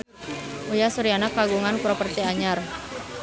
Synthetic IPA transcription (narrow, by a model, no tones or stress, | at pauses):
ʔujasuɾianakːaɡuŋanpɾopərt̪iaɲar